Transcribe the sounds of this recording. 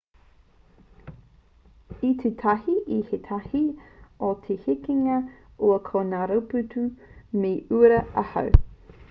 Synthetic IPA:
it̪ʰetʰɐhiʔihet̪ʰɐhiot̪ʰehikiŋɐuɐkʰonaːɾɐwpʉtumeʔuɾɐɐhɐ̰w

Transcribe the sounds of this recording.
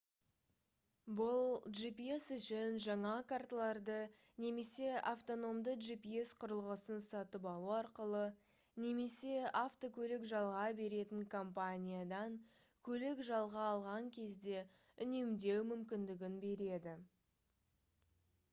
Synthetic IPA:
bʊlˠʒipie̞sʏʃɪnʒɑɴɑkʰart̪lˠɑɾd̪ə | ne̞me̞se̞aft̪o̞no̞md̪əʒipiesqʰʊɾəlˠʁəsənsɑt̪əp̬ɑlˠuɑɾqəlˠə | ne̞me̞se̞aft̪o̞kʲʰɵlɪkʒɑlˠʁɑbe̞ɾe̞t̪ɪŋkʰo̞mpanʲijad̪ɑŋ | kʲʰɵlɪkʒɑlˠʁɑːlˠʁɑŋkʲʰe̞zd̪e̞ | ʏne̞md̪e̞wmʏmkʲɪnd̪ɪɡʲɪnbe̞ɾe̞d̪ɪ

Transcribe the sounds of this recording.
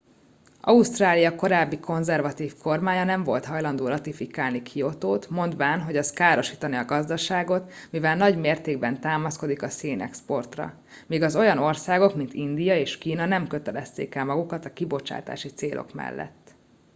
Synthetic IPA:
ʔɒust̪raːlijɒko̞ɾaːbːikʰo̞nzɛrvɒt̪iːfko̞rmaːɲɒnɛɱvo̞̰lt̪ɦɒjlɒnd̪oːɾɒt̪ifikaːlnikʰio̞t̪oːt̪mo̞nd̪vaːnɦo̞ɟɛskaːɾo̞ʃi̥ːt̪ɒniɒɡɒzd̪ɒʃaːɡo̞t̪ | mivɛlnɒɟmeːrt̪eːɡbɛnt̪aːmɒsko̞d̪ikɒseːnʔɛ̰kspo̞rt̪rɒ̰ | miːɡɒzo̞jɒno̞rsaːɡo̞kmint̪ind̪ijɒeːʃkiːnɒnɛmkø̞t̪ɛlɛst̪ḛːkɛlmɒɡukɒt̪ɒkibo̞t͡ʃa̰ːt̪a̰ːʃit̪seːlʔo̞̰kmɛ̰lːʔɛ̰t̪ː

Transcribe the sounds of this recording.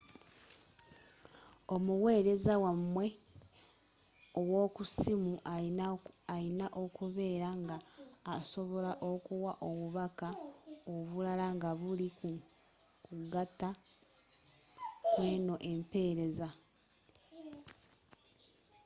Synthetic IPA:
o̞muwe̞ːɾe̞zawamwe̞ | owo̞ːkusimu | ainaʔo̞kuβe̞ːɾaŋɡaːso̞βo̞laʔokuwaʔo̞βuβakaoβulalaŋɡaβulik | kuɡata | kwe̞ːno̞ʔe̞mpe̞ːɾe̞za

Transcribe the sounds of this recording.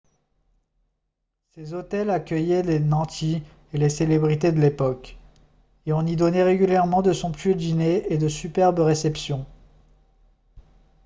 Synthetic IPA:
sezot̪ɛlakʲœjɛlenɑ̃t̪ʰi | eleselebʁit̪ed̪əlepɔk | eɔ̃nid̪ɔnɛʁeɡʲyljɛʁmɑ̃d̪əsɔ̃pɥød̪ineed̪əsypɛʁbəʁesɛpsjɔ̃

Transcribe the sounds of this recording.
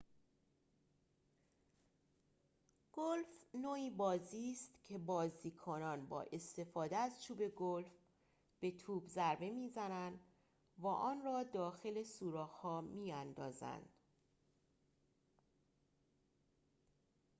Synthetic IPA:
ɡ̥olfnoːiːbɒːziːst̪cʰe̞bɒːziːkʰonɒːnbɒ̰ːʔe̞st̪e̞fɒːd̪eæzt͡ʃʰuːbe̞ɡolf | b̥e̞t̪ʰuːbzæɾbe̞miːzænænd̪ | væːʔɒːnrɒːd̪ɒːxe̞le̞suːɾɒːhhɒːmiːænd̪ɒːzæ̰nd̪̥

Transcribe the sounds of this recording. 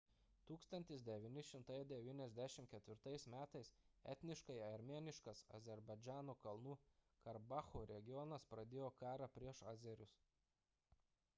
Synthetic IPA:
t̪uːkst̪ɐnʲt̪ʲɪs̬d̪ʲɛʋʲiːnʲɪʃʲɪmt̪ɐjd̪ʲɛʋʲiːnʲɛzʲd̪ʲæʃʲɪmtkʲɛt̪ʲʋʲɪɾt̪ɐɪsmʲæːt̪ɐɪsɛ̰t̪ʲnʲɪʃkɐɪɐɾʲmʲeːnʲɪʃkɐsɐ̰zʲɛɾbɐɪd͡ʒʲæːnuːkɐlˠnuː | kɐɾbɑːxoːɾʲɛɡʲɪjɔnɐspɾɐd̪ʲeːjoːkɑːɾɑpʲɾʲiɛʃɑːzʲɛɾʲʊs

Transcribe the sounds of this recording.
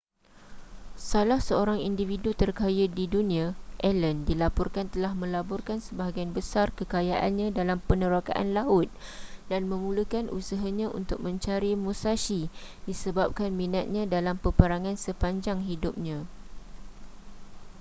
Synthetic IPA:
salahsəoɾaŋindividut̪ərkajadidunĩaʔɛləndilapɔrkant̪əlahmə̃labɔrkansəbaɦaɡianbəsarkəkajaʔa̰nɲãdalampənəɾaka̰ʔa̰nlaʊt̪̚danmə̃mũlukanʔṵsaɦaɲãʔṵnt̪ʊk̚mə̃ɲt͡ʃaɾimusasidisəbap̚kanmĩnat̪̚ɲãdalampəpəɾaŋãnsəpaɲd͡ʒaŋɦidʊp̚ɲã

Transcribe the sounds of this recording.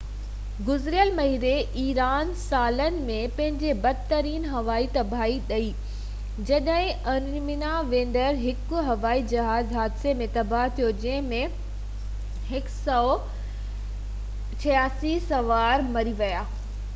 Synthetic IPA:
ɡʊzɾijəlmɐɦiːɾeʔiːɾaːnsaːlənɪ̆mẽpɐ̃ɦɪ̃ɲd͡ʑebɐd̪t̪əɾiːnɦɐʋaːit̪ɐbʱaːiɗɐiː | d͡ʑɐɗɦɪ̃ɐn | mɪnaʋẽːn̆d̪əɾɦɪkʊɦɐʋaːid͡ʑɐɦaːzɦaːd̪semẽt̪ɐbʱaɦt̪ʰijod͡ʑɐ̃ɦɪ̃mẽ | ɦɪksɔː | t͡ɕʰɐjaːsisɐʋaːɾmɐɾiʋɐjaː

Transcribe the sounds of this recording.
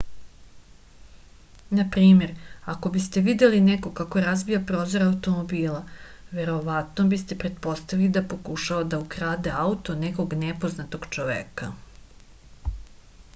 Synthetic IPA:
napɾiːme̞ɾako̞bist̪e̞ʋid̪elineko̞kako̞ɾazbijapɾo̞ːzo̞ɾaut̪o̞mo̞biːlaʋe̞ɾo̞ʋat̪no̞bist̪epɾe̞t̪̚po̞st̪aʋilid̪apo̞kuʃaod̪aukɾaːd̪eaut̪o̞neko̞ɡnepo̞znat̪o̞ɡt͡ʃoʋḛːka

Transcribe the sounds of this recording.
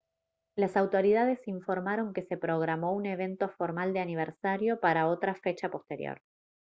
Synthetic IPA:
lasawt̪o̞ɾiðaðe̞siɱfo̞ɾmaɾo̞ŋke̞se̞pɾo̞ɣɾamo̞une̞β̞e̞nt̪o̞fo̞ɾmald̪eaniβ̞eɾsaɾjo̞paɾao̞t̪ɾafe̞t͡ʃapo̞st̪e̞ɾjo̰ɾ

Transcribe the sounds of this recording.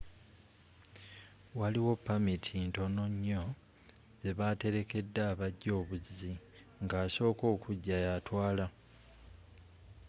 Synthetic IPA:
waliwo̞pːamitʰinto̞no̞ɲːo̞ | ze̞βate̞ɾe̞ke̞dːaːβaɟːo̞ːβuzi | ŋɡaːso̞ːko̞ːkʰuɟːajatwaːla

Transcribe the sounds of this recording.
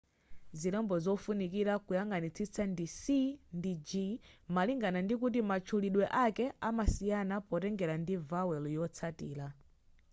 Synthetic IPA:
ziɾɛmbɔzɔfunikiɾakujaŋɡanit͡sʰit͡sandisindid͡ʒimaliŋɡanandik̬ut̬imat͡ʃʰuliɗwɛʔakɛamasijanapɔtɛŋɡɛɾandivawɛljɔt͡sʰatḭːla

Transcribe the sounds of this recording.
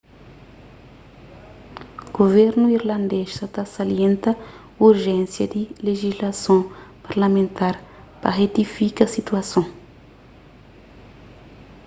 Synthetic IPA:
ɡ̥ovɛɾnuiɾlãnd̪eʃsat̪asaliẽnt̪ɐ | uɾʒɛ̃nsjɐd̪ileʒizlasõpaɾlamẽnt̪aɾ | pa̰ʁet̪ifikɐsit̪uasõ

